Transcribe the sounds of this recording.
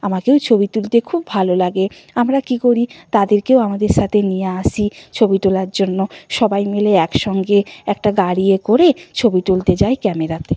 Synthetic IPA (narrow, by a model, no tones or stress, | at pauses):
amakewt͡ɕʰobit̪ult̪ekʰubːʱalolaɡe | amɾakikoɾit̪ad̪eɾkewamad̪eɾʃat̪ʰenijaaʃit͡ɕʰobit̪ulaɾd͡ʑonːoʃɔbajmeleɛkʃɔŋɡeɛk̚ʈaɡaɽiekoɾet͡ɕʰobit̪ult̪ed͡ʑajkɛmeɾat̪e